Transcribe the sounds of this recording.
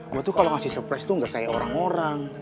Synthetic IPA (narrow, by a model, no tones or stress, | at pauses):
wat̪uhkaloŋasihsəpɾast̪uŋɡakajaoɾaŋoɾaŋ